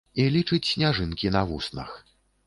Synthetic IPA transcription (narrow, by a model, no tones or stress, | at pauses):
ilʲit͡ʂɨt͡sʲsʲnʲaʐɨnkʲinɐvusnɐ̰x